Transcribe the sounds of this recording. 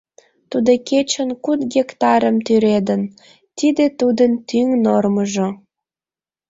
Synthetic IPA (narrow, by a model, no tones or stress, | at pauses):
t̪ud̪oket͡ɕənkud̪ɡʲekt̪ɑɾəmt̪yɾed̪ən | t̪id̪et̪ud̪ənt̪yŋnorməʒŏ